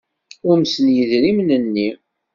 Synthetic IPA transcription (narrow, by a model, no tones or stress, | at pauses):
ʊɾmsənjəðɾimnənːi